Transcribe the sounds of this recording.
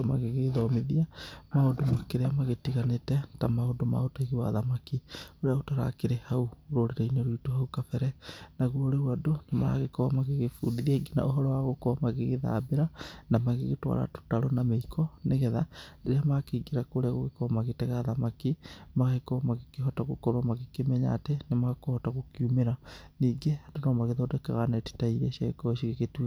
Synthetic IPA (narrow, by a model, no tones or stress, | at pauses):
maɣeɣeðɔmeðiamaodomakeɾeamaɣetiɣanetɛtamaodoma̰otaiɣiwa̰ðamakioɾeaotaɾa̰keɾehauɾoɾeɾeinoɾuitohaukafɛɾɛnaɣoɾeuadonamaɾa̰ɣekɔmaɣeɣefuːdiðiaɡina̰ʔoɦɔɾɔwaɣokɔmaɣeɣeða̰beɾanamaɣeɣetwa̰ɾa̰to̥taɾɔnameikʰɔneɣɛðadeɾeamakeɡiɾakoɾeaɣoɣekɔmaɣetɛɣaːðamakimaɣekɔmaɣekeɦɔtaɣokɔɾwamaɣekemɛɲa̰tenemaɣakohɔtaɣokjumeɾaniːɡeadonɔmaɣeðɔdɛkaɣanɛti̥taiɾɛʃiaɣḛkɔʃiɣeketwe